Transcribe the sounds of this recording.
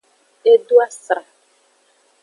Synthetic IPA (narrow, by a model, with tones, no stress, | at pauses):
e˦du˦a˦sɾa˨